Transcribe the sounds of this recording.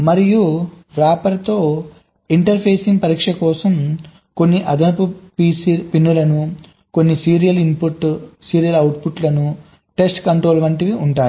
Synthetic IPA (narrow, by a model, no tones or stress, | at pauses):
mɐɾiju | ɾaːpɐɾt̪o̞ː | iɳʈɐɾpʰeːsiŋɡpɐɾiːkʂɐkɔːsɐm | ko̞nːiʔɐd̪ʱɐnɐpupiːsipinːulɐnu | ko̞nːisiːɾijɐlimpuʈːsiːɾijɐlɐwʈpuʈlɐnu | ʈe̞sʈkɐɳʈɾoːlʋɐɳʈiʋiuɳʈaːɾu